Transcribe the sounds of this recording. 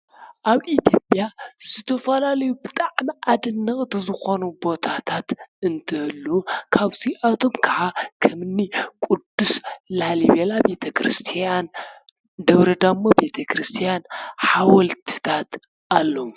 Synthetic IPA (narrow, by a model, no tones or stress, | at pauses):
ʔaβʔit̪ʰjo̞pʼjaz̥ɨt̪ʰɐfɐlalɐjubɨt̪ʼaʕmiʔad̪ɨnːɐxʼt̪zɨxo̞nubo̞t̪ʰat̪ʰat̪ɨnt̪ʰɐhɨlːukʰaβziʔat̪ʰo̞mkʰɐʕakʰɐmɨnːikʼud̪uslaliβelabe̞t̪ʰɐkɾɨst̪ʰijan | d̪ɐβɾɐd̪amːobe̞t̪ʰɐkʰɾɨst̪ʰijanħawɐlt̪ʰɨ̥t̪ʰat̪ | ʔalːo